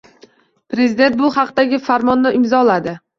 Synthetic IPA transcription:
pɾezid̪e̞nt̪̚bʊhɑqd̪aɡʲɪfaɾmɒnːɪʔɪmzɒlad̪ɪ

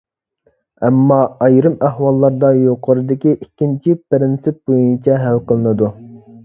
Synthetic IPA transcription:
ɛmːɑɑjɾɨmæhwɑlˠːɑɾd̪ɑjoqʰəɾɨd̪ɪkʲiʔikʲːint͡ʃʰipɪɾɪnsɪp̚bojunt͡ʃʰɛɦælqəlˠɨnɨd̪u

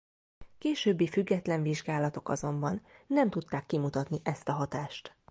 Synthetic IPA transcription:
keːʃøːbːifyɡːɛt̪lɛɱviʒɡaːlɒt̪o̞kɒ̰zo̞mbɒnːɛmt̪ut̪ːaːkːimut̪ɒt̪niʔɛst̪ɒɦɒt̪aːʃt̪

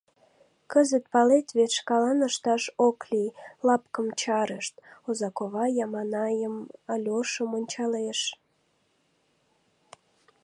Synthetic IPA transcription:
kəzət̪̚pɑlet̪βeʃkɑlɑnəʃt̪ɑʃoklilɑpkəmt͡ɕɑɾəʃt̪ozɑkoβɑjɑmɑnɑjəmɑlʲoʃəmonʲt͡ɕɑleʃ

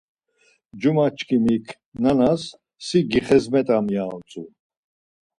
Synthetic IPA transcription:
d͡ʒumat͡ʃʰkʰimikʰ | nanasː | iɡiχɛzmɛt̪ʼamjaɔt͡sʼṵ

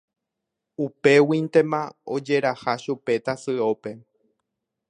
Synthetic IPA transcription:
upe̞wĩnt̪e̞mãod͡ʒe̞ɾahaʃupe̞t̪asɨo̞pe̞

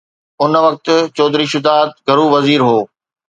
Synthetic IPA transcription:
ʊnʋɐk̚t̪ʊ̆t͡ɕɔːd̪ɾiʃʊd̪aːt̪̚ɡʱɐɾuːʋɐziːɾɦoː

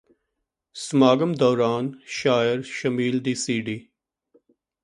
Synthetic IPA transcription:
smaːɡəmd̪ɔːɾaːnʃaːjəɾʃɐmiːld̪iːsiːɖiː

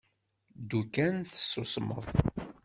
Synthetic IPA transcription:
d̪ukænθə̥sːʊsˤmə̰ðˤ

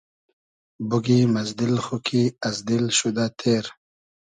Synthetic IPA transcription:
buɡimazd̪ilxukʰiazd̪ilʃud̪at̪ʰeːɾ

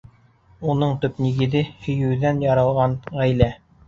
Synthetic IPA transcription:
unɤɴt̪ɵ̆pniɡɘ̆ðɘhɵ̆jɘ̆wðænjɑɾɤ̆lˠʁɑnʁæjlæ

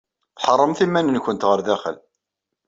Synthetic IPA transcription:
θħərˤːəmθimːænənçʷənt̪ʁəɾðæχə̰l

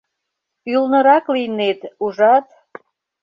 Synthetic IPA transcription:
ylnə̆ɾɑklinet̪uʒɑt̪

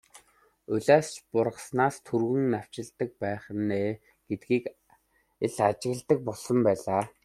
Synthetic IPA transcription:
ɵɮaːst͡ɕpʊrʁə̆snaːst̪ʰurɣɵ̆ŋnaw̥t͡ɕɪ̆ɮt̪ə̆k̚pæːχnːeː | ɡ̥et̪̚ɡiːk | eɮat͡ɕɪ̆ɣ̆ɮt̪ə̆k̚pɔɮsɞ̆mpæːɮaː

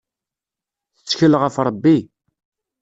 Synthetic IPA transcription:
θə̥t͡sːçəlʁəfɾˤəbːi

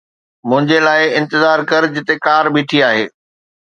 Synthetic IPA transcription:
mʊ̃ɦɪ̃ɲd͡ʑelaːɪɪ̃nt̪ɪzaːɾkɐɾd͡ʑɪt̪ekaːɾbiʈʰiaːɦḛː

